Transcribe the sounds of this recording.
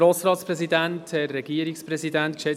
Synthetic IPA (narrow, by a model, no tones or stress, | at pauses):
ɾoːsɾɑːtspɾɛzidæntɛɾːɛɡiəɾɪkspɾɛzidæntkʃɛ